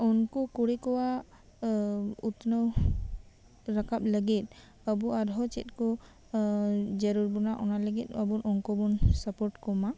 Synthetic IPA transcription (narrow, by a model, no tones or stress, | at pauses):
ɔnkɔkuɽekɔwa | ut̪nəw | ɾakʰap̚ləɡit̪̚ˀ | əbuad̪ʱɔt͡ʃḭt̪̚kɔ | d͡ʒəɾuɾbunaʔɔnaləɡit̪̚ˀəbunʔɔŋkɔbunsəpɔɾʈkɔma